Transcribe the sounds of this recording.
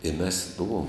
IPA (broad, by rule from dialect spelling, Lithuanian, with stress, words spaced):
ɪ mʲɛs ˈbʊʋoːm